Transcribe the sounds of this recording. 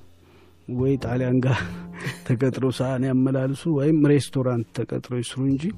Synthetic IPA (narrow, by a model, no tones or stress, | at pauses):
wɔjt̪ʼaljaŋɡat̪ʰəkʼət̪ʼɾowsəʔanjamːəlalsuwɔjɪmɾe̞st̪ʰo̞ɾant̪ʰːəkʼə̰t̪ʼɾojɪsɨɾuɨɲd͡ʒi